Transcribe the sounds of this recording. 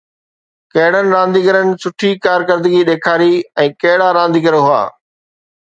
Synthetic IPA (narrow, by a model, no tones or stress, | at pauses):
kɐɦɪɽənɪ̆ɾãːnd̪iːɡəɾənɪ̆sʊʈʰikaːɾkəɾd̪əɡiɗeːkʰaːɾiɛ̃ːkɐɦɪɽaɾãːn̆d̪iːɡəɾɦʊa̰ː